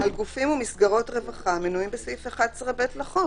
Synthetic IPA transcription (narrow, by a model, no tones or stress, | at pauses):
alɡufimumisɡaʁo̞tʁevaχamenuimbesifeχadsʁabetlaχo